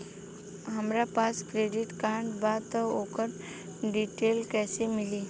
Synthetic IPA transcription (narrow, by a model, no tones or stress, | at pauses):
ɦɐmɾapaːskɾeːɖɪʈkaːɳʈbaːt̪oːkəɾ | ɖiːʈeːlkɛːsemɪliː